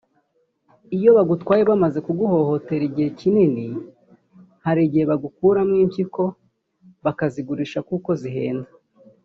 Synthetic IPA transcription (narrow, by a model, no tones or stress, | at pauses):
ijo̞βaɡutkwaːjeβamaze̞kuɡuho̞ho̞te̞ɾiɟihe̞cinini | haɾiɟihe̞βaɡukuːɾamŋiːmpciko̞ | βakaziɡuɾiʃakuko̞ziɦe̞̰ːnda